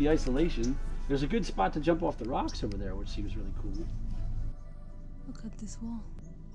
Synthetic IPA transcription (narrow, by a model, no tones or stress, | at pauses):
iaɪsəlˠeɪʃɨ̃nðə˞zɨɡʊd̥spɑtʰɨd͡ʒʌ̃mpɔfðəɹɑksoʊvə˞ðə˞wət͡ʃsĩmzɹɪlˠikʰulˠ | ʌkʰʌd̪̚ðɪswɔlˠ